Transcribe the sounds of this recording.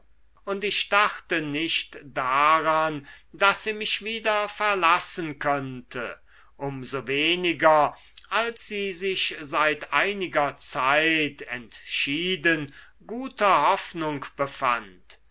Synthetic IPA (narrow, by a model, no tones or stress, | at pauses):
ʔʊntɪʃd̥aχtənɪʃtd̥aʁandasz̥iːmɪʃv̥iːdɐfɛɐlasənkʰœntʰə̰ | ʔʊmzoveːnɪɡɐ | ʔalsz̥iːzɪʃzaɪtʔaɪnɪɡɐt͡saɪtʰɛntʃiːdən | ɡuːtʰɐhɔfnʊŋkb̥əfa̰nt